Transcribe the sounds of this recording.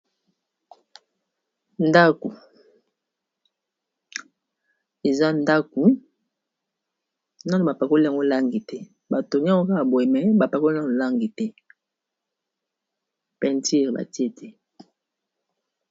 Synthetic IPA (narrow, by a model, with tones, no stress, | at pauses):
nda˦ko˨ | e˨za˦nda˦ku˨˦ | na˦no˨ba˨pɛ˨ko˦li˦˨a˨ŋɡo˦˨la˦ŋɡi˨tɛ˦ | ba˨to˨ŋi˦ŋɡo˦ka˦ka˨bwe˨mɛ˨ba˨pɛ˨ko˦li˦na˦no˨la˦ŋɡi˨tɛ˦ | pɛ˨nti˦˨ʁba̰˨ti˦e˦tʰɛ˦